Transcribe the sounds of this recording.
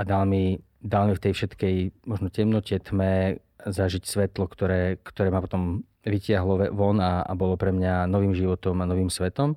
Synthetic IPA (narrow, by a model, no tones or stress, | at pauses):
ad̪almi | d̪almift̪ɛjfʃɛt̪kɛjmɔʒnɔcɛmnɔcɛt̪mɛ | zaʒicsʋɛt̪lɔkt̪ɔɾɛːkt̪ɔɾɛːmapɔt̪ɔm | ʋicɪaɦlɔʋɔnaa̰bɔlɔpɾɛmɲanɔʋiːmʒiʋɔt̪ɔmanɔʋiːmsʋɛt̪ɔm